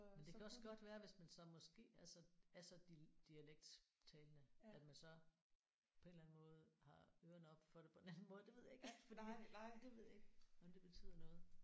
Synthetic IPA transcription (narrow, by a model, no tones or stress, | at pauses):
mend̥ekʰæɒ̽sɡ̥ɒ̽d̥ʋæːɐʋe̝smænsɒ̽mɒ̽sɡ̥e̝̰ːæsɒæsɒ̽d̥d̥iæleɡ̥̚d̥t͡sʰɛːlənəæd̥mænsɒ̽ | pʰɒ̽e̝nlæn̩mɔ̽ːð̞̩ˠhɑ̈øʊɐnəɒ̽b̥fɒ̽ɾ̥e̝pʰɒ̽e̝næn̩mɔ̽ːð̞̩ˠd̥eʋe̝ð̞̰ˠjɑeɡfɒ̽dḭd̥e̝ʋe̝ð̞̰ˠjaeɡ̥ɒ̽md̥e̝b̥e̝t͡sʰy̰ːð̰ˠɐnɔ̽ːð̩ˠ